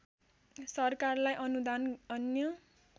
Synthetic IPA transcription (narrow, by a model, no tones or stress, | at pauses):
sʌrkarlajʔʌnud̪anʌnjʌ